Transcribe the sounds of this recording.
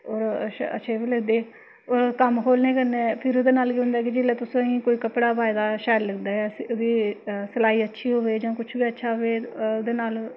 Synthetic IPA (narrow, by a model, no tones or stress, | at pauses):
oːɾə̰ʃʰeːbiːləɡd̪eː | oːɾkəmkoːlneːkəɾnẽːpʰɪɾoːd̪eːnaːlɡiːɦʊ̃nd̪aːkid͡ʒɪleːt̪ʊsõːɦĩːkoːiːkəpɽaːbaːid̪aːʃɛːlləɡd̪aːɛːsid̪iːsəlaːiːətːʃʰiːɦoːʋeːd͡ʒãːkʊt͡ʃʰbiːətːʃʰaːɦoeːod̪eːnaːl